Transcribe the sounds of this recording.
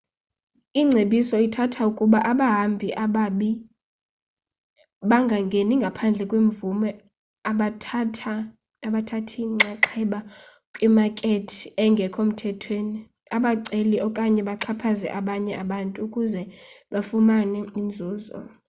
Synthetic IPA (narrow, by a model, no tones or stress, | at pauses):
iŋ͡ǀʱeɓisɔitʰatʰaukʼuɓaʔaɓaɦambʱiʔaɓaɓi | ɓaŋɡʱaŋɡʱeniŋɡʱapʰand͡ɮʱɛkʼweɱvumɛ | aɓatʰa | aɓatʰatʰiŋ͡ǁaǁʰɛɓa | kʼwimakʼetʰiɛŋɡʱɛkʰom̩tʰɛtʰweni | aɓaǀeliʔɔkʼaɲɛɓaǁʰapʰazɛ̰ʔaɓaɲɛaɓantʼuːkʼuzɛɓafumanɛind͡zʱuːzɔ̰